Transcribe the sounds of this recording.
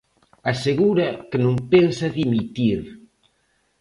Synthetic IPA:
aseɣuɾɐkenõŋpensaðimit̪iɾ

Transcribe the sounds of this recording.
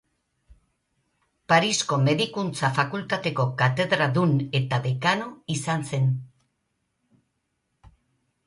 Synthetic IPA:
paɾisko̞me̞ðikunt͡safakult̪at̪e̞ko̞kat̪e̞ðɾaðune̞t̪aðekanoisanse̞n

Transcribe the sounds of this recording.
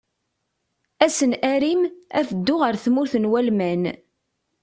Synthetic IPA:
æsənæɾimæ̰fəd̪ːʊʁəɾθmʊɾθənwælmæn

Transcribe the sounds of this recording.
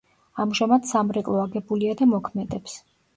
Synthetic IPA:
amʒamad̪̥samɾɛkʼlˠɔaɡɛbuliad̪amɔkʰmɛd̪ɛps

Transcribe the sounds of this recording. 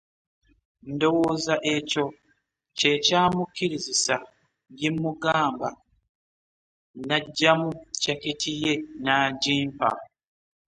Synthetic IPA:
ndo̞woːzaʔe̞co̞ | cecaːmukiɾizisa | ɟimːuɡaːmba | naɟːamucaketʰije̞naːɟiːmpa̰

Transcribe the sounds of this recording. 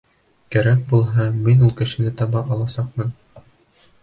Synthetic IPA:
kæɾæk̚bulˠɦɑminulˠkɘ̆ʃɘ̆nɘt̪ɑβɑʔɑlˠɑsɑq̚mɤn

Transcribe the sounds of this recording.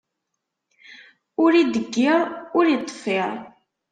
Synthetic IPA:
ʊɾid̪əɡːɪʁˤʊɾjət̪ˤːfeɾˤ

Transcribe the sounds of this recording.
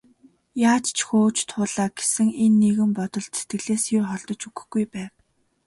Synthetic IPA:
jaːt͡ɕt͡ɕʰxoːt͡ɕt̪ʰʊːɮaːɡ̥esɘ̆ŋenːeɣɘ̆mpɔt̪ɞ̆ɮt̪se̥t̪ɡɘ̆ɮeːsjʊrχɔɮt̪ɞ̆t͡ɕuɣɵ̥̆xɡujpæːw

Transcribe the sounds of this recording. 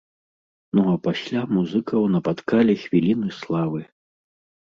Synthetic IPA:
nuɐpasʲlʲamuzɨkɐwnɐpat̪kalʲixvʲilʲinɨslˠavɨ

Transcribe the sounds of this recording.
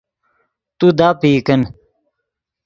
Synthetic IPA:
t̪ud̪aːpiːkɐn

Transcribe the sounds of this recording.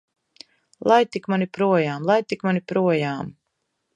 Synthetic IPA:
lˠajt̪ikmanipɾuɔjaːmlˠajt̪ikmanipɾuɔjaːm

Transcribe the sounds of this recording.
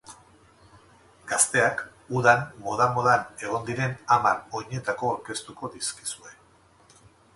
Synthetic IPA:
ɡ̥ast̪e̞ak | uðanmo̞ð̞aŋɡo̞ðane̞ɣ̞o̞nd̪iɾe̞namano̞ɲe̞t̪ako̞ːɾke̞st̪uko̞ðiski̥sue̞

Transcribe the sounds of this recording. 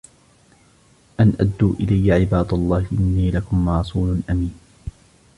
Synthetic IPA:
ʔanʔad̪ːuːʔɪlajːaʕɪbaːd̪ɑlˤːɑːhɪʔɪnːiːlakʊmɑɾˤɑsˤuːlʊnʔamiːn

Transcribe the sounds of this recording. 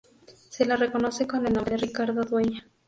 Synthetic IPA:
selareko̞no̞sekonelnomerikaɾðoðweɲa

